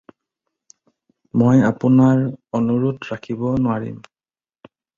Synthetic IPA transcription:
mojapʊnaɹɔnuɹutɹakʰibɔnʊaɹḭm

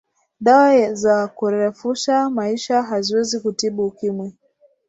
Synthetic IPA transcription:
ɗawazakuɾɛfuʃamaiʃaɦaziwɛzikutiɓukimwɛ

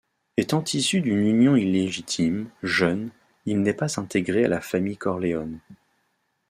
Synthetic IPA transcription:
et̪ɑ̃t̪ʰisyd̪ynynjɔ̃ilːeʒit̪ʰimʒœn | ilnɛpazɛ̃t̪eɡʁea̰lafamijkɔʁleɔn

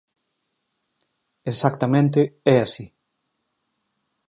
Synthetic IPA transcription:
esak̚t̪amẽnt̪eɛasi

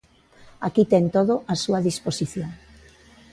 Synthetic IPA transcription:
akit̪ɛnt̪oðʊʔasuaðisposiθjoŋ

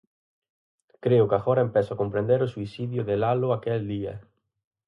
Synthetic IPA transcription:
kɾeʊkaxɔɾaempɛsʊakõmpɾẽnd̪eɾʊsuisiðjʊðelalʊakɛld̪iɐ̰

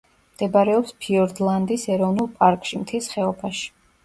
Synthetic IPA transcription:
md̪̥ɛbaɾɛɔpspʰiɔɾd̪lˠand̪isɛɾɔvnulˠpʼaɾkʼʃimt̪ʰɛsχɛɔpʰaʃi̥

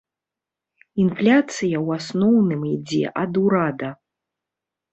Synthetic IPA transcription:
inflʲat̪sɨjɐwasnɔwnɨmid͡zʲɛ̰ʔɐd̪uɾad̪ɐ

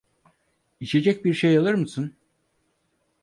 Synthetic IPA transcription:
it͡ʃʰe̞d͡ʒɛc̚biɾʃejalˠɯɾmɯsɯn

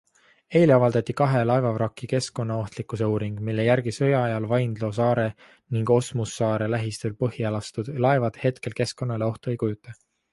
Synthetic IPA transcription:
e̞ːliɑvɑld̪ɑt̪ʲːikɑɦe̞lɑevɑvɾɑkːˑike̞sko̞nːɑo̞ht̪likːˑuse̞uːɾiŋɡ̥milːejæɾɡ̥isø̞jɑɑjɑlvɑjnd̪̥lo̞s̬ɑːɾe̞ | niŋɡ̥o̞smusːɑːɾe̞læɦist̪ylpɤɦielɑst̪ud̪̥lɑe̞vɑd̪̥he̞t̪ke̞lke̞sko̞nːɑle̞o̞ht̪ue̞jkujut̪ːˑɑ

